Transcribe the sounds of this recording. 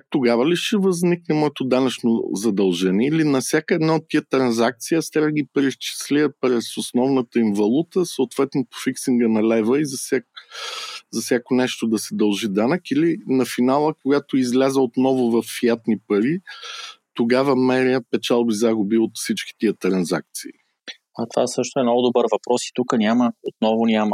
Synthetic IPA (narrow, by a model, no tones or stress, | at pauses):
t̪oɡavəliʃɛvɐzniknɛmɔɛt̪od̪anɐt͡ʃnozɐd̪ɐlˠʒɛniɛilinɐfsʲjakəɛd̪naot̪ːiət̪ɾɐnzak̚t̪sijəst̪aɡipɾɛst͡ʃi̥sliəpɾɛsosnɔvnət̪əinvɐlˠut̪əsəot̪vɛt̪nopo̥fiksiŋɡənɐlɛjvəizɐsʲak | zɐfsʲjakonɛʃt̪od̪ɐsɛd̪ɐlˠʒid̪anəkilinɐfinalˠəkoɡat̪oizlʲazəot̪nɔvʊvɐfjat̪nipɐɾi | t̪oɡavəmɛɾiəpɛt͡ʃalˠbizaɡʊbiot̪fsit͡ʃki̥t̪iət̪ɾɐnza̰k̚t̪sii | ɐt̪ovasɤʃt̪oɛmnɔɡʊd̪obəɾvɐpɾɔsi̥t̪ukənʲaməot̪̚nɔvʊnʲamə